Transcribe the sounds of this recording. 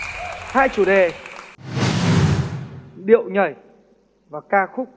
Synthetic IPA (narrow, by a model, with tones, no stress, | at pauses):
haː˧jt͡ɕu˨˧˩ɗe˨˩ | ɗḭ˧˨əwɲə˨˩j | vaː˨˩kaː˧xʊ˦˥k͡p̚